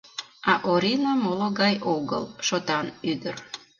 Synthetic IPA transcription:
ɑʔoɾinəmoloɣɑjoɣə̰lʃot̪ɑnyd̪ər

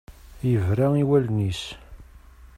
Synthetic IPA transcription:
jəvɾæiwælnis

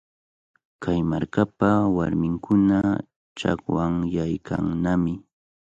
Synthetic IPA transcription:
kʰajmaɾkapawaɾmɪŋkʰʊna | t͡ʃa̰kwaŋjajkʰa̰ŋnamɪ

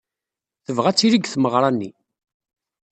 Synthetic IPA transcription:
θəvʁæt͡sːiɾiɡθməʁɾˤɑnːi

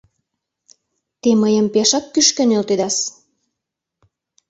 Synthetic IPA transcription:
t̪eməjəmpeʃɑkːyʃkø̆nelt̪ed̪ɑs

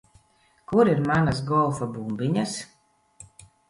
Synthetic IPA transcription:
kuɾiɾmanasɡɔlˠfabumbiɲas

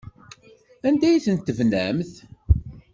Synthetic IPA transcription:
ænd̪æjiθənt̪ːəvnæ̰mθ

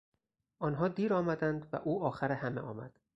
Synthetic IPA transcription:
ʔɒːnɦɒːd̪iːɾɒːmæd̪ænd̪væ̰ʔuːɒːxæɾehæmeʔɒːmæ̰d̪̥

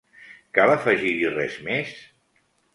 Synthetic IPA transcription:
kalˠəfəʒiɾirɛzmes

